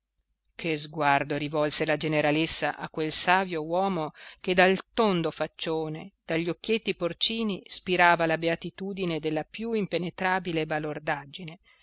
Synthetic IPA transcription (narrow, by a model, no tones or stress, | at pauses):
kʰezɡward̪oɾivɔlselad͡ʒeneɾalesːa̰ʔa̰kːwelsaːvjowɔːmoked̪alt̪ond̪ofat͡ʃːoːned̪̥aʎːokːjet̪ːiport͡ʃiːnispiɾaːvalabeat̪it̪uːd̪ined̪elːapjuimpenet̪ɾaːbilebalord̪ad͡ʒine